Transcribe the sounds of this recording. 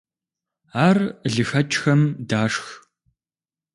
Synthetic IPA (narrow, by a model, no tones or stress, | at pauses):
aːrɮɨxɐt͡ʃʼxɐmdaːʂx